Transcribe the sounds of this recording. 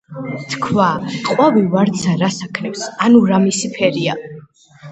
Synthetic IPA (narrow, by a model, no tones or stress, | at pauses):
t̪ʰkʰwaqʼwavivaɾt̪sʰaɾasakʰnɛfsanuɾamisipʰɛɾia